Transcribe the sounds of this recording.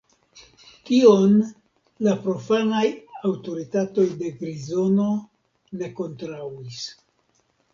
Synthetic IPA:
kio̞n | lapɾo̞fanajawto̞ɾitato̞jde̞ɡɾizo̞no̞ | ne̞ko̞ntɾawis

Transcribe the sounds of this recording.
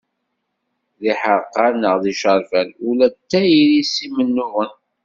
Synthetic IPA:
ðiħəɾqːanəʁðiʃəɾˤfænulæt̪ːæjilisimənːʊʁən

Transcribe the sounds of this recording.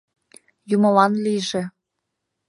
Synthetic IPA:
jumɤlɑnliʒĕ

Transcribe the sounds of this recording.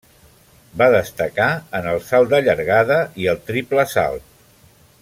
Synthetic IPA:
baðəst̪əkaənəlˠsalˠd̪əʎəɾɣaðəiəlˠt̪ɾipləsa̰lˠt̪

